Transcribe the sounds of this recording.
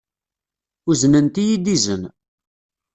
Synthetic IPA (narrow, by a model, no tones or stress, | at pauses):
uznənt̪ijid̪izən